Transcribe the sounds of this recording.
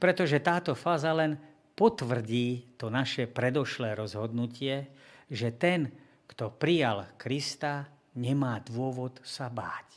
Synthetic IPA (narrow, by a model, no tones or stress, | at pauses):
pɾɛt̪ɔʒɛt̪aːt̪ɔfaːzalɛn | pɔt̪ʋr̩ɟiːt̪ɔnaʃɛpɾɛd̪ɔʃlɛːɾɔzɦɔd̪nucɪɛʒɛt̪ɛn | kt̪ɔpɾijalkɾist̪a | ɲɛmaːd̪ʋʊɔʋɔt̪saba̰ːc